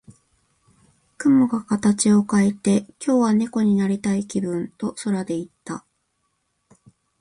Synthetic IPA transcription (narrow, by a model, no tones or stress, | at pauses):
kɯ̟moɡakat̪at͡ɕio̞kaet̪e̞kʲo̞ːβane̞ko̞ɲ̟inaɾʲit̪aikʲibɯ̟̃nt̪o̞so̞ɾad̪e̞it̪ːa